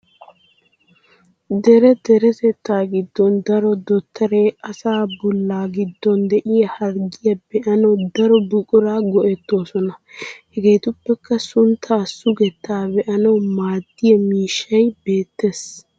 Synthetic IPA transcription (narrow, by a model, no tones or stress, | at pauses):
d̪ɛɾɛd̪ɛɾɛt̪ɛt̪ːaːɡɪd̪ːɔnd̪ɐɾɔd̪ɔt̪ʰːɐɾeɐsaːbɔlːaːɡɪd̪ːɔnd̪ɛʔɪjɐhɐɾɡɪjɐbɛʔɐnɐwd̪ɐɾɔbʊkʼʊɾaːɡɔʔɛt̪ːo̞ːsɔnɐhɛɡe̞ːt̪ʊpːɛkːɐsʊnt̪ʰːaːsʊɡɛt̪ːaːbɛʔɐnɐwmaːd̪ːɪjɐmiːʃːɐjbe̞ːt̪ːe̞ːs